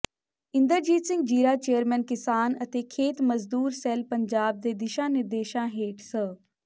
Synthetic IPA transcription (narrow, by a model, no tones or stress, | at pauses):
ɪ̃nd̪əɾd͡ʒiːt̪sɪ̃ŋɡd͡ʒiːɾaːt͡ʃeːəɾmɛ̃ːnkɪsaːnət̪eːkʰeːt̪məzd̪uːɾsɛlpəɲd͡ʒaːb̚d̪eːd̪ɪʃãːnɪɾd̪eːʃãːɦeːʈsə